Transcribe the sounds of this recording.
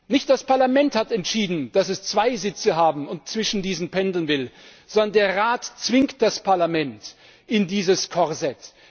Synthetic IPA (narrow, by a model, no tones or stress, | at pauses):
nɪçt̚d̥aspaɐlamɛnthatɛntʃiːdn̩d̥asɛst͡sv̥aɪzɪt͡səɦaːbm̩ʊnt̚t͡sv̥ɪʃn̩diːzn̩pɛndl̩nvɪlz̥ɔndɐndeːɐʁaːtt͡sv̥ɪŋkt̚d̥aspʰaɐlamɛnt | ʔɪndiːzəskʰɔʁzɛt